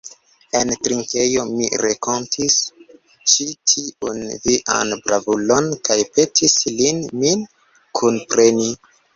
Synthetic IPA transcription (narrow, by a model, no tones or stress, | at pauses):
e̞ntɾiŋke̞jo̞miɾekontʰis | t͡ʃitʰiʔunviʔa̰nbɾavulo̞nkajpe̞tʰislinmin | kʰunpɾe̞ni